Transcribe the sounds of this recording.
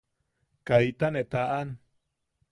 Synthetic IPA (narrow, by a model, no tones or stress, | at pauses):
kait̪aneʔt̪aʔan